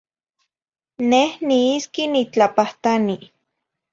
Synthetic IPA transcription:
nehniiskinit͡ɬapaht̪ani

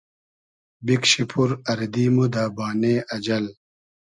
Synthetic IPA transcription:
bikɕipʰuɾɐɾd̪iːmud̪aːbaːneːʔɐd͡ʑɐl

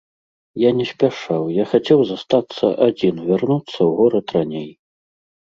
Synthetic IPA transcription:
janʲɛsʲpʲaʂawjaxat͡sʲɛwzast̪at̪sːɐʔad͡zʲinvʲarnut̪sːɐwɣɔɾɐt̪ranʲej

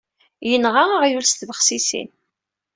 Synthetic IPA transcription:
jənʁaaʁjulst̪vəχsisḭn

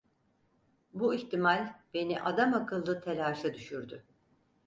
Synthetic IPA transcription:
buiçt̪imalʲb̥e̞niʔad̪amakɯlˠːɯt̪ʰelʲaːʃad̪yʃyɾd̪y

